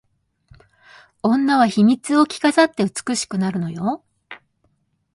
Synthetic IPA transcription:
õ̞nːaβaçimʲit͡sɨo̞kʲi̥kasat̪ːe̞ɯ̟t͡sɨ̥kɯ̟ɕi̥kɯ̟naɾɯ̟no̞jo̞

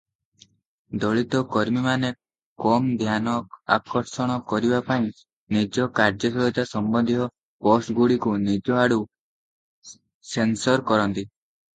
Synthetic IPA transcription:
d̪ɔɭit̪ɔkɔɾmimane | kɔmd̪ʱjanɔa̰kɔɾsɔɽ̃ɔkɔɾibapaĩ | nid͡ʒɔkaɾd͡ʒɔsɔlɔt̪asɔmbɔnd̪ʱiɦɔ | bɔsɡuɽikunid͡ʒɔaɽu | sensɔɾkɔɾɔnt̪i

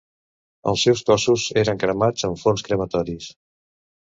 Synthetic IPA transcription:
ə̰lˠsːɛwskɔsuzeɾəŋkɾəmad͡zəɱfonskɾəmət̪ɔɾis

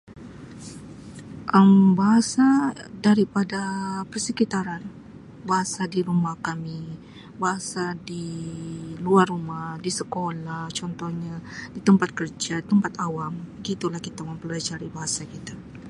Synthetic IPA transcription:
ʔəmbaɦasadaɾipadapərsəkit̪aɾan | baɦasadiɾumahkami | baɦasadi | luarumahdisəkolaht͡ʃɔnt̪ɔhɲadit̪əmpat̪̚kərd͡ʒat̪əmpat̪awambəɡit̪ulahkit̪aməmpəllad͡ʒaɾibaɦasakit̪a

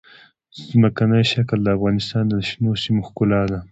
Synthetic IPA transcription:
zməkanəjʃakld̪əafɣɑnɪst̪ɑnd̪ənaʃnosimoxkʊlɑd̪a

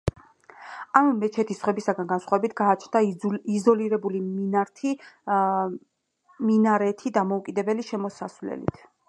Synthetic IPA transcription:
amːɛt͡ʃʰɛt̪ʰisχwɛbisaɡanɡansχwavɛbit̪ʰɡaːt͡ʃʰnd̪aizɔliɾɛbuliminaɾt̪ʰi | minaɾɛt̪ʰid̪amɔukʼid̪ɛbɛliʃɛmɔsaslɛ̰lḭt̪ʰ

